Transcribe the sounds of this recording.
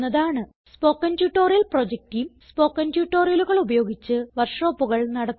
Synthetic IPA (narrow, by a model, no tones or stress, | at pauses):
ɐðaːɳɨ | spo̞ːkːɐntjuːʈːo̞ːrijɐlprod͡ʑek̚tijumspo̞ːkːɐntjuːʈːo̞ːrijɐluɣɐɭubɐjo̞ːɡit͡ɕːɨʋɐrʂo̞ːpːuɣɐɭnɐɽɐt̪ː